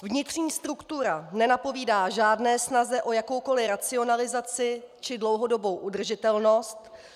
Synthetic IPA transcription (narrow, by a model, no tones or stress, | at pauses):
vɲɪt̪r̝̥ɲiːst̪ɾukt̪uɾanɛnapo̞viːdaːʒaːdnɛːsnazɛʔo̞jako̞wko̞lɪɾat͡sɪo̞nalɪzat͡sɪt͡ʃɪdlo̞wɦo̞do̞bo̞wʔudr̩ʒɪt̪ɛlno̞st̪